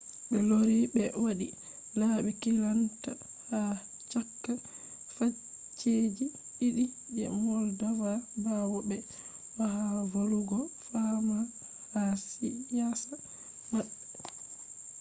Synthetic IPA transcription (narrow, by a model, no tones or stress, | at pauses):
bɛloɾibɛwaɗi | laɓɛkilanta | ha | t͡ʃakt͡ʃːa | fa | t͡ʃːed͡ʒi | iɗi | d͡ʒɛ̰mɔldawabawɔbɛ | waɦavoluɡɔfama | hasijasa | maɗ